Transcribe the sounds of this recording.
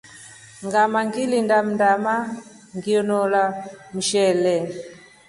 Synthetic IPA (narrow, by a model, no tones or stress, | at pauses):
ŋɡamaŋɡilindam̩ndama | ŋɡiɔnɔlam̩ʃɛlɛ